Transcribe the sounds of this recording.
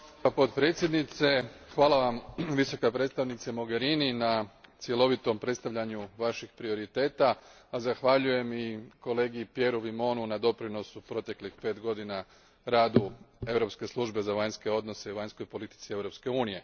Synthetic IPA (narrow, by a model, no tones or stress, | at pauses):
apo̞t̪pɾe̞t̪sje̞d̪nit̪se̞xʋaːlˠaʋamʋiso̞kapɾe̞t̪st̪aʋnit̪samo̞ɡe̞ɾininat̪sje̞lˠo̞ʋit̪o̞mpɾe̞t̪st̪aʋʎʲaɲuʋaʃixpɾio̞ɾit̪e̞ːt̪aːzaxʋaʎuje̞miko̞le̞ːɡipje̞ɾuʋimo̞ːnunad̪o̞pɾino̞supɾo̞t̪e̞klixpe̞ːt̪ɡo̞d̪ina | ɾaːd̪ue̞ʋɾo̞pske̞slˠuʒbe̞zaʋaɲske̞o̞d̪no̞se̞iʋaɲsko̞jpo̞lit̪i̥t̪sie̞ʋɾo̞pske̞uːnije̞